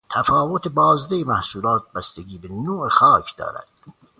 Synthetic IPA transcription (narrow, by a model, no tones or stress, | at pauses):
t̪ʰæfɑːvot̪ebɒːzd̪ejemæhsuːlɑːt̪̚bæst̪eɡiːbenoːexɑːkʰd̪ɒ̰ːɾæ̰d̪̥